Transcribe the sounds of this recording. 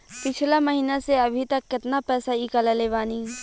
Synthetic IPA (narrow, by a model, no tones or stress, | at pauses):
pɪt͡ʃʰlamɐɦiːnaseɐbʱit̪ɐkːɪt̪napɛːsaiːkalaleːʋaːniː